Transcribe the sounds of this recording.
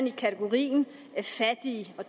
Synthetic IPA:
nikʰæt͡sʰeɡ̥o̝ʁḭːn̩ | æfæd̥iɒ̥̽

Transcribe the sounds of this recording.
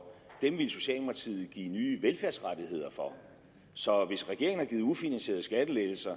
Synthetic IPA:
d̥emʋiləso̝ɕɛ̰ːlmɑt͡sʰḭð̩ˠɡ̥ḭːnyːʋelfæɐsʁad̥ihe̝ð̰ˠɐfɒ̽ | sɒ̽ʋe̝sʁɛɡ̥e̝ɐ̰ŋnæɐɡiːð̞̩ˠufinænse̝̰ːɐð̞̩ˠsɡ̥æd̥əleːl̩sɐ

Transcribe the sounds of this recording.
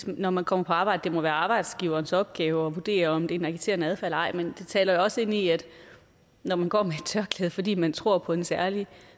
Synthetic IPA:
nɒmænkʰɒ̽m̰ɐpʰɒ̽ɑ̈ːb̥ɑ̈ɪd̥d̥e̝mɒ̽ʋæːɐɑ̈ːb̥ɑ̈ɪd̥sɡ̥iʊɐːnsɒ̽b̥̚ɡ̥ɛːʊɒ̽ʋud̥e̝̰ːɐɒ̽md̥e̝naɡ̥it͡sʰe̝̰ɐnəæð̞ˠfælɑ̈ɪ̰mend̥e̝t͡sʰɛːlɐjo̝ɒ̽səe̝n̰iæd̥ | nɒmænɡ̥ɒ̰ːmeed̥̚t͡sʰɶɐkʰlɛːðˠfɒ̽d̥ḭːmænt͡sʰʁo̝ɐ̰pʰɒ̽ensæɐli

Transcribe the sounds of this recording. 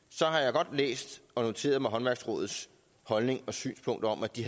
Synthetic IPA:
sɒ̽ɦɑ̈jɑ̈ɪɡ̥ɒ̽d̥lḛːsd̥ɒ̽no̝t͡sʰe̝̰ːɐðˠmɑ̈ɪɦɒ̽nʋæɐɡ̥sʁɔ̰ːð̩ˠs | hɒ̽lne̝ŋɒ̽sy̰ːnspʰɔ̽ŋ̰d̥ɐɒ̽mæd̥ihæ

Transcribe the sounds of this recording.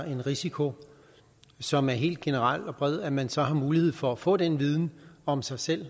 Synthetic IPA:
e̝nʁisikʰo̝ | sɒ̽mæɐɦe̝̰ːld̥ɡ̥e̝nəʁɑl̰ɒ̽b̥ʁɛð̞ˠæmænsɒ̽ɦɑ̈muːlihe̝ð̞̰ˠfɒ̽æfɔ̰̽ːd̥enʋið̞ˠn̩ɒ̽msɑ̈ɪsel̰

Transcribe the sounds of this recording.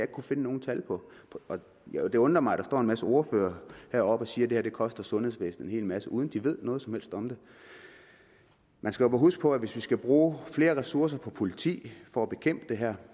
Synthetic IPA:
e̝ɡ̥̚kʰufe̝nəno̝ːn̩t͡sʰælpʰɒ̽pʰɒ | jd̥e̝ɔ̽nd̥ʁɐmɑ̈ɪæd̥ɑ̈sd̥ɒ̰ːenmæsəo̝ɐfø̰ːɐhæɐ̰ɒ̽b̥ɒ̽siːɐd̥e̝hæɐd̥e̝kʰɒ̽sd̥ɐsɔ̽nheðˠsʋesn̩e̝nhe̝̰ːlmæsəʔuð̞ˠən̩d̥iʋe̝ð̞̰ˠnɔ̽ːð̩ˠsɒmhel̰sd̥ɒ̽md̥e̝ | mænsɡ̥æobɑɦusɡ̥̚pʰɒ̽æʋe̝sʋisɡ̥æb̥ʁuːfle̝ːɐʁɛsuɐs̬ɐpʰɒ̽pʰo̝lit͡sʰḭːfɒ̽æb̥e̝kʰem̰b̥əd̥e̝ɦæɐ̰

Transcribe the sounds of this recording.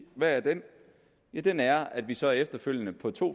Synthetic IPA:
ʋææɐd̥en | d̥enæɐæd̥ʋisɒ̽æɐefd̥ɐføl̰jənəpʰɒ̽t͡sʰo̝̰ː

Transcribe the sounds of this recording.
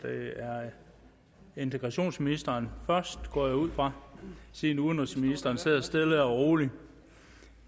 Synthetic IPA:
d̥eæɐ | e̝nt͡sʰeɡ̥ʁɑ̈ɕo̝̰ːnsminisd̥ɐːnfɶɐsd̥ɡ̥ɒ̰ːjauð̞̰ˠfʁɑ̈siðnuðˠn̥ʁesminisd̥ɐːnse̝ð̰ˠɐsd̥e̝ləɒʁo̝ːli

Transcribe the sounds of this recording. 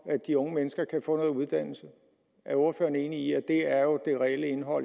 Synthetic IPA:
æd̥iɔ̽ŋəmenəsɡ̥ɐkʰæfɔ̰̽ːnɔ̽ːð̩ˠuð̞ˠd̥æn̰l̩sə | æɐɔːɐfø̰ːɐnəe̝ːniiæd̥e̝æɐjo̝d̥e̝ʁɛeləe̝nɦɒ̽l̰

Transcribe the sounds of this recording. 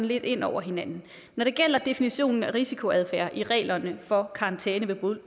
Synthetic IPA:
n̩le̝d̥e̝n̰ɒʊ̰ɐɦe̝nænn̩ | nɒɾ̥e̝ɡ̥el̰ɐd̥e̝finiɕo̝̰ːnn̩æʁisikʰo̝æð̞ˠfæɐʔiʁɛ̰ːlɐnəfɒ̽kʰɑ̈ɑ̈nt͡sʰɛːnəʋe̝b̥ʁul

